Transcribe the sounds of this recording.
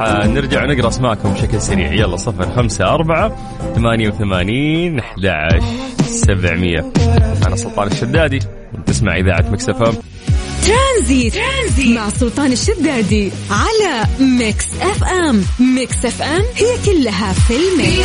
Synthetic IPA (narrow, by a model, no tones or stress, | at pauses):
anɪɾd͡ʒaʕnɪɡɾˤɑʔasmaːʔkʊmbʃaklsaɾḭːʕjɑlːɑsˤɨfɾxamsaʔɑɾˤbaʕa | θamaːnjawθamaːniːnʔaħd̪a̰ʕa̰ʃsabʕmɪjːa̰ʕalɑsˤːʊlt̪ˤɑːnɪʃːad̪ːaːd̪i | wt̪ɪsma̰ʕʔɪðaːʕat̪mɪksʔɛfʔam | t̪ɾanziːt̪ːzimmaʕsˤːʊlt̪ˤɑːnɪʃːad̪ːaːd̪iʕalamɪksʔɛfʔɛmmɪksʔɛfʔɛmhɪjːakʊlːaɦafɪlma